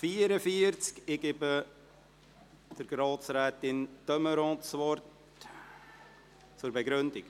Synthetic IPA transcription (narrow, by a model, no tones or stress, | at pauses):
fiəɾəfiəɾt͡skɪɡɪbə | d̥əɾɡ̥ɾɑːt͡sɾɛːt̪ɪntœməɾɔ̃ːtt͡svɔɾt | t͡suɾbɛɡɾʏndɪk